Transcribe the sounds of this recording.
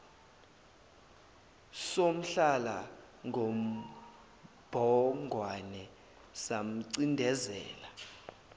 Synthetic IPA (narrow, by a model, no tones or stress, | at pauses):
som̩ɬala | ŋʱom̩ | b̥ʱɔŋɡʱwanɛ | sam̩ǀindʱɛzɛ̰ːla